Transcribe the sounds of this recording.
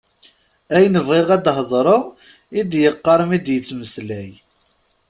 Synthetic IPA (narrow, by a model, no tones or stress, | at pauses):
æjnəvʁɪʁæd̪ɦðˤɾˤo | id̪jəqːɑɾˤəmid̪jət͡sːməslæj